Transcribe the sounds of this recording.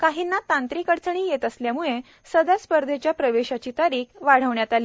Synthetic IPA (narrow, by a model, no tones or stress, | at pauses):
kaɦiːnːat̪ant̪ɾikəɽt͡səɳ̃iːjet̪əsljamuɭe | səd̪aspəɾd̪ʱet͡ɕjapɾəʋeɕat͡ɕiːt̪aɾiːkʋaɽ̤əʋɳjat̪aliː